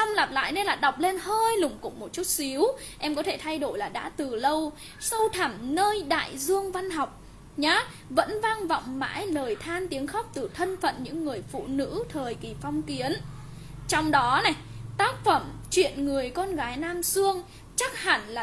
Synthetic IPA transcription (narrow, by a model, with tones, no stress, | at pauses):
a˧wŋ͡mla˨˩p̚la̰ː˧˨jne˧nlaː˨˩ɗa˨˩wk͡p̚le˧nhəː˧jlʊ˨˩ŋ͡mkʊ̰˧˥ŋ͡mmo˨˩t̚t͡ɕu˦˥t̚si˨˦əw | ʔɛ˧mkɔ˨˦t̪ʰe˧˩t̪ʰa˧jɗo˧˩jlaː˨˩ɗa̰ː˧˥t̪ɨ˨˩lə˧w | sə˧wt̪ʰa˧˩mnəː˧jɗa̰ː˧˨jzɨ˧əŋva˧nɦa˨˩wk͡p̚ | ɲaː˨˦ | və̰˧˥nva˧ŋvɔ̰˧˨wŋ͡mma̰ː˧˥jləː˨˩jt̪ʰaː˧nt̪i˨˦əŋxa˦˥wk͡p̚t̪ɨ˨˩t̪ʰə˧nfə̰˧˨nɲɨ̰˧˥ŋːɨ˨˩əjfṵ˧˨nɨ̰˧˥t̪ʰəː˨˩jki˨˩fɔ˧wŋ͡mki˨˦ən | t͡ɕɔ˧wŋ͡mɗɔ˨˦na˨˩jt̪aː˦˥k̚fə˧˩mt͡ɕwḭ˧˨ənŋɨ˨˩əjkɔ˧nɣaː˨˦jnaː˧msɨ˧əŋ | t͡ɕa˦˥k̚ha˧˩nlaː˨˩